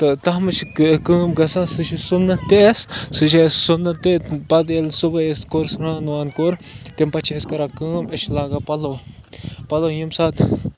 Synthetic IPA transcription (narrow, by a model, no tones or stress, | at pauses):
t̪ɨt̪ɐɦmɨt͡ʃʰikkəːmɡɐsãːsɨt͡ʃʰisunɐt̪essɨt͡ʃʰessunːɐt̪epɐd̪elsubɐeskoɾsɾãːnʋaːnkoɾt̪empɐt͡ʃʰiɐskɐɾaːkəːmɐt͡ʃʰlaːɡaːpɐloː | pɐloːjimsaːt̪